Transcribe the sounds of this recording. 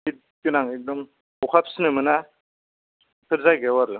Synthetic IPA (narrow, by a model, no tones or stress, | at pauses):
bit̚ | kɯnaŋɛk̚dɔm | ɔkʰap̚snɯmɯna | pʰɯɾzajɡɛwaɾɯ